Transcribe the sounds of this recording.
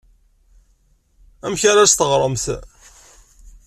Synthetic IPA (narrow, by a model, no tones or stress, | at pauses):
æmçaɾast̪əʁɾˤəmθ